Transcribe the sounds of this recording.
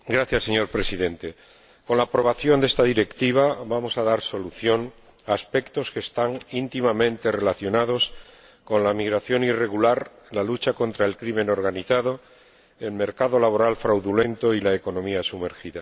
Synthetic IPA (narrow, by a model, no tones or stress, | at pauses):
ɡɾaθjasːe̞ɲo̞ɾpɾe̞siðe̞nt̪e̞ | ko̞nlaːpɾo̞β̞aθjo̞nd̪e̞st̪aðiɾe̞kt̪iβ̞aβamo̞saðaɾso̞luθjo̞ŋ | aːspe̞kt̪o̞ske̞ːst̪aŋint̪imamẽ̞nt̪e̞re̞laθjo̞nað̞o̞s | ko̞nlamiɣɾaθjo̞nire̞ɣulaɾ | lalut͡ʃako̞nt̪ɾae̞lkɾime̞no̞ɾɣaniθaðo̞ | e̞lme̞ɾkaðo̞laβo̞ɾalfɾawðule̞nt̪o̞ilaeko̞no̞miasume̞ɾxiða